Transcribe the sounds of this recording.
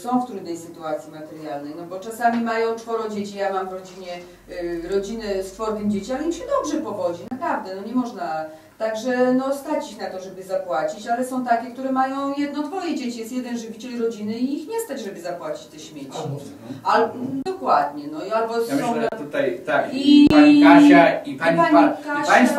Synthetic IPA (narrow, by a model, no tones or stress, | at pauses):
sɔ̃w̃ft̪ɾud̪nɛjsɘt̪uat̪sʲjimat̪ɛɾjalnɛjnɔbɔt͡ʂasamʲimajɔ̃w̃t͡ʂfɔɾɔ̃d͡ʑet͡ɕijamamvɾɔd͡ʑiɲɛ | ɾɔd͡ʑinɛst̪fɔɾt̪ɘmd͡ʑet͡ɕialɛimɕɛd̪ɔbʐɛpɔvɔd͡ʑinapɾavd̪ɛnɔɲɛmɔʐna | t̪aɡʐɛnɔst̪at͡ɕixnat̪ɔʐɛbɘzapwat͡ɕit͡ɕalɛsɔ̃w̃t̪akʲɛkt̪uɾɛmajɔ̃w̃jɛd̪nɔɔt̪̚pɔvʲjed͡ʑet͡ɕjɛst̪jɛd̪ɛnʐɨvʲit͡ɕɛliɾɔd͡ʑinɘiixɲɛst̪ad͡ʑʐɛbɘzapwat͡ɕi̥t͡ɕt̪ɛɕmʲjet͡ɕi | ald̪ɔkwad̪ɲɛnɔialbɔsɔ̃t̪ut̪ajt̪akikaaiaɲpaɲkaɕaa